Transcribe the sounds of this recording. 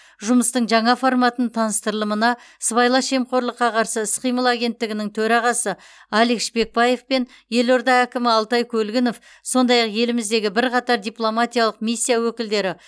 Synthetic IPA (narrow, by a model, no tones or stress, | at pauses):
ʒʊməst̪əɴʒɑɴɑfo̞ɾmɑt̪ənt̪ʰɑnəst̪əɾəlˠəmənɑ | sβɑjlˠɑʃe̞mqo̞ɾlˠəqːɑqʰɑɾsəɪsqijməlˠaɡʲe̞nt̪ːɪɡʲɪnɪŋt̪ʰɵɾɑʁɑsə | ɑlekʃbe̞k̚bɑje̞fpe̞n | je̞lo̞ɾd̪ɑækʲɪmɪɑlˠt̪ɑjkʲʰɵlɡʲɪno̞f | so̞nd̪ɑjɑqje̞lɪmɪzd̪e̞ɡʲɪbɪɾqʰɑt̪ɑɾd̪ijplˠo̞mat̪ʲijalˠəqmisʲːijawɵkʲɪld̪e̞ɾɪ